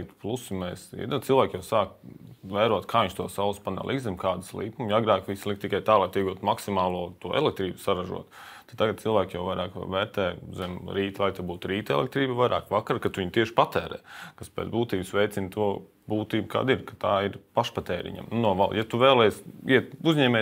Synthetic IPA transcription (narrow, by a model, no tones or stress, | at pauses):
t̪plˠusimɛːsd̪asilˠʋæːkjaʊsaːkvɛːɾuɔt̪kʰaːiɲʃt̪uɔsawspana̰lʔḭkzɛmkaːd̪slˠḭːpumjaɡɾaːkʋislik̚t̪ikajt̪aːlˠajt̪iɛɡuːt̪maksimaːlˠuɔt̪uɔɛ̰lˠɛk̚t̪ɾiːbsaɾaʒṵɔt̪ | t̪at̪̚t̪aɡad̪̚silˠʋæːkʲjawvajɾaːkvɛːɾt̪ɛːzɛmɾiːt̪lˠajt̪abuːt̪ɾiːt̪ɛ̰lɛ̰k̚t̪ɾiːbvajɾa̰ːkʋakaɾkat̪uiɲʲt̪iɛʃpat̪ɛːɾɛ̰ːkaspɛ̰ːt̪buːt̪iːbsʋɛjt̪sint̪uɔ | buːt̪iːbka̰ːd̪iɾkat̪aːiɾpaʃpat̪ɛːɾḭɲa̰mnunuɔʋa̰lˠjat̪uʋɛːlˠɛjsiɛt̪uzɲɛːmɛː